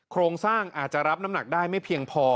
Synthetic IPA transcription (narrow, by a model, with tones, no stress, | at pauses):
kʰɾoː˧ŋsaː˥˩ŋʔaː˨˩t̪̚t͡ɕa˨˩ɾa˦˥p̚na˦˥mna˨˩k̚daː˥˩jma˥˩jpʰi˧əŋpʰɔː˧